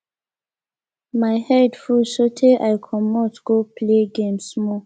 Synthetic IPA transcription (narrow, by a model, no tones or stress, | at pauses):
majhɛdfulʃotʰeʔajkʰɔmɔtɡ̥opleɡẽmsmɔ